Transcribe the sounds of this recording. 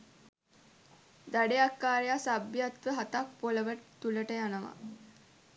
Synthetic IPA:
d̪aɖeakːaːɾejasabjat̪ʋəɦat̪ak̚poləʋət̪uləʈəjanəʋa̰

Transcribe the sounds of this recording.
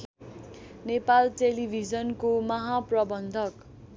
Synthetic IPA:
nepalʈelibʱid͡zʌnkomʌɦaprʌbʌnd̪ʱʌk

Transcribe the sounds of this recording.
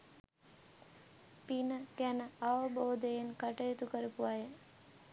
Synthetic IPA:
pinəkænəaʋəboːd̪əjenkəʈəjet̪ukəɾupuʋajə

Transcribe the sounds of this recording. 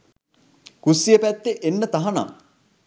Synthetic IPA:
kusːijəpæt̪ːeʔenːət̪ɐɦɐna̰

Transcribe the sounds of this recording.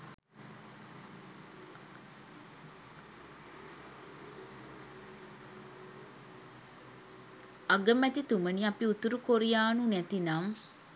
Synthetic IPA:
aɡəmɛt̪it̪uməniapiut̪uɾukoɾijaːnunɛt̪inam

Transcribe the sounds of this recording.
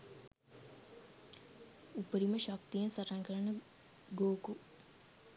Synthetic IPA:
upəɾiməʃɐk̚t̪ijə̃nsɐʈaŋkɐɾɐɳə | ɡoːku

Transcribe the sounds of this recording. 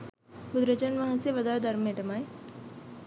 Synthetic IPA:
pʊd̪ɾət͡ʃənʋɐɦãseʋɐd̪ad̪ɐɾmẽʈɐmaːe

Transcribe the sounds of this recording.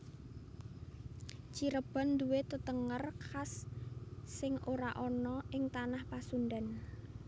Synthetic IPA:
t͡ʃiɾəb̥a̤nd̪uwet̪ət̪əŋərkʰasː | ɪŋoɾaʔɔnɔɪŋt̪anahpasund̪an

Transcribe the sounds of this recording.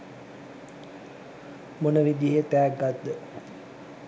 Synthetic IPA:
monəʋid̪iɦət̪æːɡat̪̚d̪ːə

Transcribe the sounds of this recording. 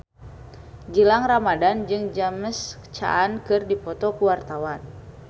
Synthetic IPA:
ɡilaŋramadand͡ʒɨŋd͡ʒaməst͡ʃa̰ʔːnkɨrdipɔt̪ɔkuwart̪awan

